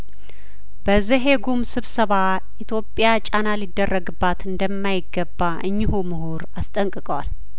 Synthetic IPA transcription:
bəzɨɦe̞ɡumsɨβsəβa | it̪ʰjo̞pʼːjat͡ʃʼanalid̪ːərːəɡɨbːat̪ɨnd̪əmːajɪɡːəbːaʔɨɲːɪhumɨhuɾast̪ʼəŋkʼɨkʼəwal

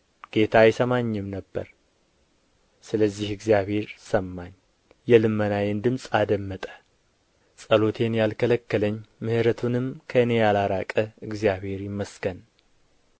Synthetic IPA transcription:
ɡ̥e̞t̪ʰajɛsəmaɲːɪmnəbːə̰ɾ | sɨləzːihɨɡzijaβhe̞ɾsəmːaɲː | jɛlɨmːənajend̪ɨmsʼad̪əmːət̪ʼə̥ | sʼəlo̞t̪ʰe̞njalkʰələkːələɲːmɨhɨɾət̪ʰunɨmkʰəɨne̞jalaɾakʼəɨɡzijaβhe̞ɾjɪmːəsɡ̥ən

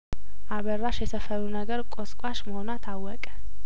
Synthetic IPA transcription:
ʔaβərːaʃjɛsəfəɾunəɡəɾkʼoskʼwaʃməho̞nat̪ʰawːɔkʼə̥

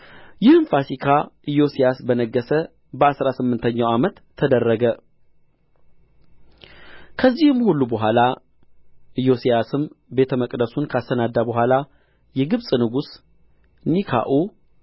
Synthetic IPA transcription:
jɪhɨmfasikʰaʔɨjo̞sijasbənəɡːəsə | bəasɾasɨmːɨnt̪ʰəɲːawamət̪ʰːəd̪ərːəɡə | kʰəzːihɨmhulːubəɦʷala | ʔɨjo̞sijasɨmbe̞t̪ʰəməkʼd̪əsunkʰəast̪ʰənad̪ːabəɦʷala | jɛɡɨβsʼnɨɡus | nikʰa̰ʔu

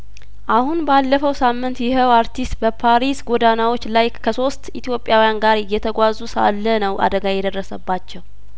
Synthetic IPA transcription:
ʔahunbalːəfəwsamːɨnt̪jɪhəwaɾt̪ist̪bəpʰaɾisɡod̪anawo̞t͡ʃːlajkʰəso̞st̪it̪ʰijo̞pʼːjawijanɡaɾjːɛt̪ʰəɡʷazusa̰lːənəwʔa̰d̪əɡajɛd̪ərːəsəbːat͡ʃːɛw

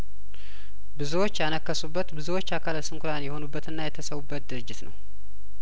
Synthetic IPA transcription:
bɨzuwot͡ʃːjɛanəkːəsubːət̪bɨzuwo̞t͡ʃːakʰaləsɨŋkʰʷuɾanjɛho̞nubːət̪ɨnːajɛt̪ʰəsəwubːət̪̚d̪ɨɾɨd͡ʒːɪt̪nə̰w

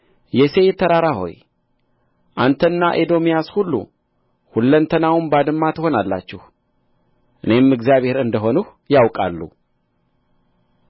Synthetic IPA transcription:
jɛse̞jɛt̪ʰːəɾaɾaho̞̰j | ʔant̪ʰənːaʔed̪o̞mijashulːṵ | hulːənt̪ʰənawunbad̪ɨmːat̪ʰəho̞nalːa̰t͡ʃːɪh | ʔɨne̞mɨɡzijaβhe̞ɾɨnd̪əɦo̞nuh | jawkʼalːṵ

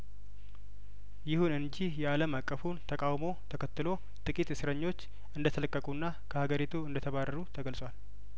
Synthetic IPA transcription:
jɪhunɨnd͡ʒihjɛaləmakʼːəfunt̪ʰəkʼawmo̞t̪ʰəkʰət̪ːɨlo̞ | t̪ʼɨkʼit̪sɨɾəɲːo̞t͡ʃː | ɨnd̪ət̪ʰələkʼːəkʼunːa | kʰəhaɡəɾit̪ʰuɨnd̪ət̪ʰəβarːəɾut̪ʰəɡəlsʼwal

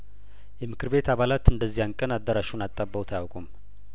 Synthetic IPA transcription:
jɛmɨkʰɨɾβe̞t̪aβalat̪ɨnd̪əzːijankʼənad̪ːəɾaʃunat̪ʼːabːəwt̪ʰajawkʼum

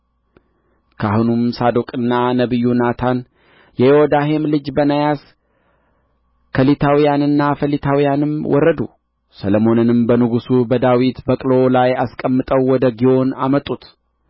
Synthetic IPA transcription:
kʰahunumsad̪okʼɨnːanəβɨjːunat̪ʰan | jɛjehod̪aɦe̞mlɨd͡ʒbənajas | kʰəlit̪ʰawijanɨnːafəlit̪ʰawijanɨmwɔɾːəd̪u | sələmo̞nɨnɨmbənɨɡusubəd̪awit̪bəkʼlo̞lajaskʼəmːɨt̪ʼəwːɔd̪əɡiʔo̞namət̪ʼːut̪

